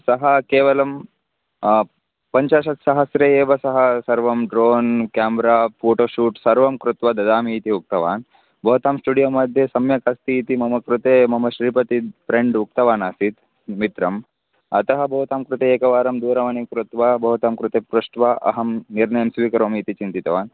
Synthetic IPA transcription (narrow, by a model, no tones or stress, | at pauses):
sɐɦɐkeːʋɐlɐm | pɐɲt͡ʃaːʃɐt̪sɐɦɐsɾeeːʋɐsɐɦɐsɐɾʋɐmɖɾoːnkaːmbɾaːpoːʈoːʃuːʈsɐɾʋɐmkɾut̪ʋɐd̪ɐd̪aːmiːt̪iuk̚t̪ɐʋa̰ːn | bʱɐɦut̪aːmsʈuːɖijoːmɐd̪ʱjesɐmjɐkɐst̪iːt̪imɐmɐkɾut̪eːmɐmɐɕɾiːpɐt̪ifɾeɳɖuk̚t̪ɐʋaːnasit̪ | mit̪ɾɐm | ɐ̰t̪ɐɦɐbʱɐɦut̪aːmkɾut̪eːkɐʋaːɾɐmd̪uːɾɐʋɐnikɾut̪ʋɐbɐɦut̪aːmkɾut̪eːpɾuʂʈʋaʔɐ̰ɦɐmniɾɳɐjɐmsʋiːkɐɾʋɐmit̪it͡ʃint̪it̪ɐʋaːn